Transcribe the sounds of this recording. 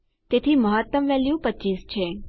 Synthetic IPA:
t̪et̪ʰiməɦət̪ːəmʋɛljupətːt͡ʃiːst͡ʃʰe

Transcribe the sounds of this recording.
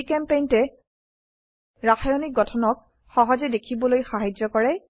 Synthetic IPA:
kɛmpejntɛ | ɹaxʰajɔnik̚ɡɔtʰɔnɔk̚ | xɔɦɔzɛdekʰibɔlojxaɦajd͡ʒɔkɔɹɛ

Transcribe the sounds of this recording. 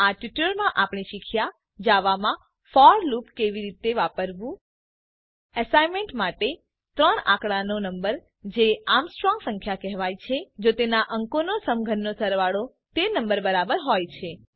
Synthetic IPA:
aʈʋiʈəɾmãʔapɽ̃iʃikʰja | d͡ʒaʋamã | fɔɾlupkeʋiɾit̪eʋapəɾʋũ | əsajmeɳʈmaʈe | t̪ɾəɳã̰kɽanonəmbəɾ | d͡ʒeamsʈɾɔŋɡsə̃ŋkʰjakɛɦʋajt͡ʃʰed͡ʒot̪enaʔəŋkonosəmɡʱənːosəɾʋaɽo | t̪enəmbəɾbəɾabəɾɦojt͡ʃʰe

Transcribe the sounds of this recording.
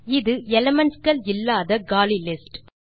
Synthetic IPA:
ɪðɯɛlɐmɐɳskɐɭɪlːaːðɐɡaːlilɪsʈ

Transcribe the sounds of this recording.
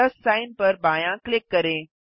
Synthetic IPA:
əsːainpəɾbajãklɪkːəɾẽ

